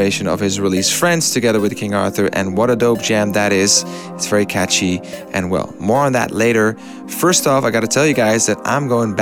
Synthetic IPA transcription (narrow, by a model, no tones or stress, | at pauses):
eɪʃɨ̃nʌ̰v̥ɨzɹilistfɹɛ̃ndz̥tʰɨɡɛðə˞wɨð̥kʰɪ̃ŋɑ̰ɹθə˞ʔɨ̰̃nwʌɾɨdoʊb̚d͡ʒæ̃mðɨɾɪz̥ | ɨtsv̥ɛɹikʰæt͡ʃiʔɨ̰̃nwɛ̰lˠmɔɹə̃nðɨ̰tˡleɪɾə˞ | fɜ˞stɔfaɪɡɑɾɨtʰɛlˠjɨɡaɪzðɨɾʔã̰ɪ̃mɡoʊɪ̃ŋb